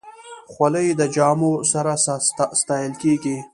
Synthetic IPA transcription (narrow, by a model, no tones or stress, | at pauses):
xwaləjd̪əd͡ʒɑːmosaɾasst̪ɑjəlkeɡi